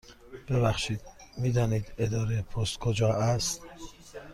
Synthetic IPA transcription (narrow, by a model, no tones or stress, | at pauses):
b̥ebæxʃiːd̪̥miːd̪ɒːniːd̪ed̪ɒːɾepʰost̪kʰod͡ʒɒːʔæst̪